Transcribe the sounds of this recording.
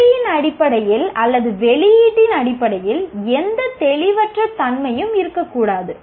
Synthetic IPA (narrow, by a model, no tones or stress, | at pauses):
jɪnɐɽɪpːɐɽɐjɪlɐlːɐðɯʋɛɭɪjiːʈːɪnɐɽɪpːɐɽɐjɪlɛnd̪ɐt̪ɛɭɪʋɐʈrɐt̪ɐnmɐjɯmɪɾɯkːɐkːuːɽaːðɯ